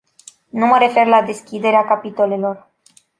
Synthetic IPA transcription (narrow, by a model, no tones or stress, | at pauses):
numəɾefeɾlad̪eskʲid̪eɾeakapit̪olelor